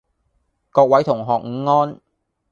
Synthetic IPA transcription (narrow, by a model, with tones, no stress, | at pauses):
kɔː˧k̚wɐ˨˥jt̪ʰʊ˨˩ŋɦɔː˨k̚ŋ̩˨˧˥ŋɔː˥n